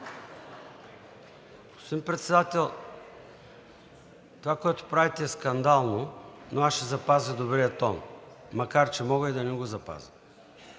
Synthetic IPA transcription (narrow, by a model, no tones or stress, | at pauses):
ɡo̥spod̪impɾɛt̪sɛd̪at̪ɛlˠ | t̪ovakoɛt̪o̥pɾavit̪ɛːskɐnd̪alˠnonoaʃɛzɐpazəd̪obɾiət̪ɔn | mːɐkaɾt͡ʃɛmɔɡəid̪ɐnɛɡozɐpa̰zə̥